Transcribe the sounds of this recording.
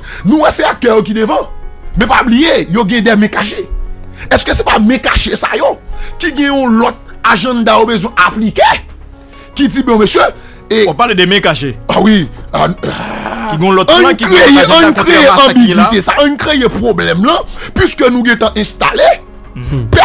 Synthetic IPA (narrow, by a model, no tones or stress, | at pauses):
nũwɛseak̚t̪œjok̬id̪evɐ̃mɛ̃pablijejoɡɛ̃d̪ɛmɛ̃kaʃeɛskøse̥pamɛ̃kaʃesa̰jokiɡɛ̃j̃ɔ̃lɔt̪̚aʒɐ̃nd̪ajobezw̃ɛ̃ʔaplike | kid͡zibɔ̃mesjø | ewpaled̪emɛ̃kaʃeawia̰ | kiɡõlɔt̪ãnkɣejãnkkʁejeɐ̃biwit̪esaʔɐ̃ɲkʁejepʁoblɛmlɐ̃pɥiskønũɡɛ̃t̪ãʔɛ̃st̪a̰le | p